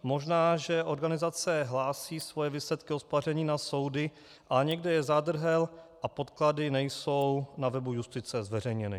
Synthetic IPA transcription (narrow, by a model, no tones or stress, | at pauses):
mo̞ʒnaːʒɛʔo̞ɾɡanɪzat͡sɛɦlaːsiːsvojɛviːslɛt̪kɪospar̝ɛɲiːnaso̞wdɪ | ʔaɲɛɡdɛjɛzad̪r̩ɦɛlʔapo̞t̪kladɪnɛjso̞wnavɛbujust̪ɪt͡sɛzvɛr̝ɛjɲɛnɪ